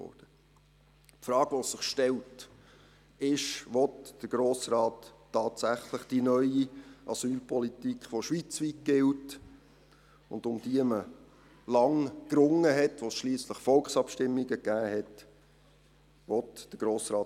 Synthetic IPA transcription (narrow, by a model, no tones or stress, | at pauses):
ɔ̰ːd̥ə | pfɾɑːɡ̥ʋossɪχʃtɛlt | ɪʃʋɔtd̥əɡ̥ɾoːsɾɑːtː | ɑːtsæχləχd̥inœʏiʔɑsyːlpʰɔlitikχfɔʃʋit͡sʋit̚ɡ̥ɪlt | ʊ̰nd̪ʊmd̥iəmə | lɑŋkɾʊŋːəɦɛtʋosʃliːsləχfɔlkχsɑpʃtɪmːiɡəɡæːhɛt | ʋɔtd̥əɡ̥ɾoːsɾɑː